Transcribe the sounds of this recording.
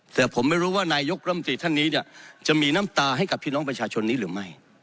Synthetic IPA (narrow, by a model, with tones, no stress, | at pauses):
t̪ʰɛː˨˩pʰo˩˦mːa˥˩jɾuː˦˥waː˥˩naː˧jo˦˥k̚ɾa˥˩mː˧t̪ɾiː˧t̪ʰa˥˩nːiː˦˥ni˥˩ɐt͡ɕa˨˩miː˧na˦˥mt̪aː˧ha˥˩jka˨˩pʰːiː˥˩nɔ˦˥ŋpɾa˧t͡ɕʰaː˧t͡ɕʰo˧nːiː˦˥ɾɯː˩˦ma˥˩j